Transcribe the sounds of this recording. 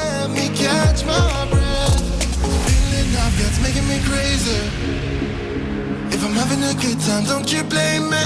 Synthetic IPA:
mikʰæt͡ʃmaɪbɹæd | ɪlɪnafɡ̥atsmeɪkɪ̃ŋmikʰɹ̥eɪzə˞ | ɨfãɪ̃mhævɪ̃ŋɨɡʊd̚tʰãɪ̃mdõʊ̃nt͡ʃɨblẽɪ̃mːi

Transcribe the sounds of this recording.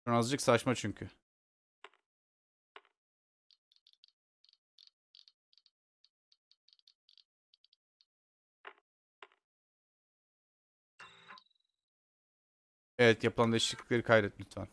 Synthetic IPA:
anazd͡ʒɯksaaʃmat͡ʃʰyɲcʰy | evɛt̪japʰɯlˠand̪eʃlˠɯkɯklʲˠeɾikʰajd̪ɾɛt̪myt̪væ̰n

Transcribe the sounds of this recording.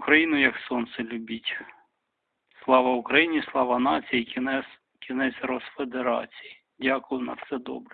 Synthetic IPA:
kɾɐjinʊjɐksɔnt̪sɛlʲʊbʲitʲ | slˠɑʋɐʊkɾɐjinʲislˠɑʋɐnɑt͡sʲijiɛs | kʲinɛt͡sʲrɔsfed̪eɾɑ̰t͡sʲiji | dʲakʊjʊnɐfsɛd̪ɔ̰bɾɛ

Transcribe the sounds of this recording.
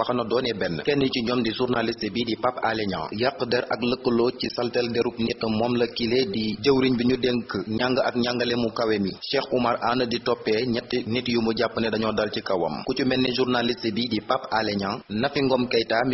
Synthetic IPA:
wɐxɐnɔdɔːnɛbɛnːəkɛnːiciɲɔmdizurnalistəbiːdipapːalɛɲã̰ŋjakːədɛɾʔɐkləkːəlɔːcisɐltɛldɛɾup̚nitːəmɔmlɐkilediɟəwɾiɲbiɲudɛŋkəɲaŋɡəʔɐk̚ɲaŋɡəlɛmukɐwɛmiʃɛːxumɐɾaːnəditɔpːɛɲɐtːnitjumuɟapːənɛdɐɲɔdɐlcikɐwɐ̰mkucumɛnːɛʒurnalistəbiːdipapːalɛɲaːŋnɐfiŋɡɔmkɐjtam

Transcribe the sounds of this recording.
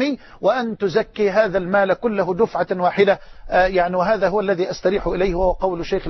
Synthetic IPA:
i | wɪʔant̪ʊzakːiːɦaːðalmaːlkʊlːʊɦʊd̪ʊfʕawaːħɪd̪ajaʕniwɪɦaːðaːɦʊwalːæðiːʔast̪ɑɾiːħʊʔɪlajhwahʊwaqɑwlʊʃːejxɪ

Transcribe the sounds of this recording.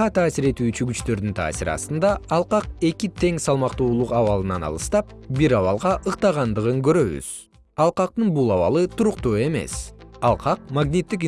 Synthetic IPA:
ɑt̪ʰaːsiɾe̞t̪yːt͡ʃyɡyt͡ʃt̪ø̞ɾd̪ynt̪ʰa̰ːsiɾɑ̰st̪ɯnd̪ɑɑlˠqɑqe̞kit̪ʰe̞ŋsɑlˠmɑqt̪uːlˠuqɑβɑlˠɯnɑnɑ̰lˠɯst̪ɑp̚biɾɑβɑlˠʁɑʔɯqt̪ɑʁɑnd̪ɯʁɯŋɡø̞ɾø̞βy̰z̥ | ɑlˠqɑq̚t̪ɯnbulˠɑβɑ̰lˠɯt̪uɾuqt̪uːe̞me̞̰sɑlˠqɑq̚maɡnʲit̪ːik

